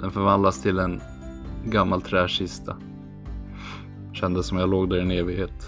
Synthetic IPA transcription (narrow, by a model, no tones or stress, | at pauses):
d̪ɛnfœɾvand̪last̪ʰɪlɛn | ɡamːalt̪ʰɾɛːʂɪst̪ʰa | ɕɛnd̪əsːɔmjaloːɡd̪æɾɛneːvɪɡheːt̪